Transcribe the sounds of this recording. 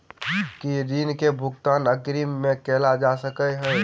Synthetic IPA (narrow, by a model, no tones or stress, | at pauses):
kiɾiːnkebʱʊɡt̪aːnəkɾiːmːẽkeːlad͡ʒasəkəɦɛː